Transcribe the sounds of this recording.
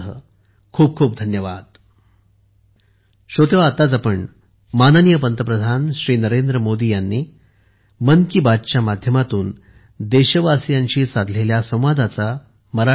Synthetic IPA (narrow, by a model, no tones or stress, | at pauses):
ɦə̰ | kʰuːb̚kʰuːp̚d̪ʱənjəʋa̰d̪̥̚ | ɕot̪eʋaːt̪at͡sapəɳ | manənijəpənt̪əpɾəd̪ʱanɕɾiːnəɾend̪ɾəmod̪iːjanːi | mənkibad̪̚t͡ɕjamad̪ʱjəmat̪uːn | d̪eɕəʋasjãɲt͡ɕiːsad̪ʱleljasə̃w̃ʋad̪ʱat͡sa | məɾa